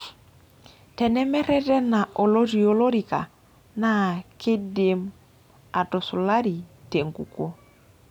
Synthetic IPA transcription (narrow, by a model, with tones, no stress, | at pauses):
tɛ˨nɛ˦mɛ˦ɾɛ˦tɛ˦na˨ʔo˨lo˦ɾi˨o˨lo˦ɾi˨ka̰˨ | na˦˨kɪ˦dɪ˨m | a˨tɔ˨sʊ˨la˦ɾi˨te˨ŋɡṵ˨ko˦